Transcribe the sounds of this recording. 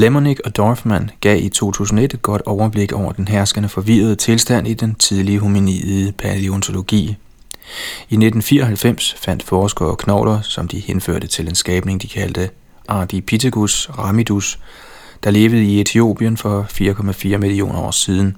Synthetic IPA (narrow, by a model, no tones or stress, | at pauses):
lemo̝niɡ̥ɒ̽d̥ɒfmænɡ̥ɛ̰ːit͡sʰo̝̰ːt͡sʰṵːsn̩ɒe̝d̥e̥ɡ̥ɒ̽d̥ɒʊɐb̥le̝ɡ̥ɒʊ̰ɐd̥enɦæɐsɡ̥ənəfɒ̽ʋiːɐð̞̩ˠət͡sʰe̝lsd̥æn̰id̥ent͡sʰið̞ˠliəɦuminið̩ˠəpʰæleont͡sʰo̝lo̝ɡ̥ḭː | ined̥n̩fḭːɐɒɦælfem̰sfæn̰d̥fɒːsɡ̥ɒkʰnɒʊlɐsɒ̽md̥ihenfø̰ɐ̰d̥ət͡sʰe̝lensɡ̥ɛːb̥ne̝ŋd̥ikʰæld̥ə | ʔɑ̈ːb̥ipʰit͡sʰeɡ̥usʁɑ̈mid̥us | d̥ɑ̈le̝ːʋəð̩ˠie̝t͡sʰio̝̰ːb̥iənfɒ̽fiːɐkʰɒ̽mæfiːɐmilio̝̰ːnɐɒ̰ːsiːðˠn̩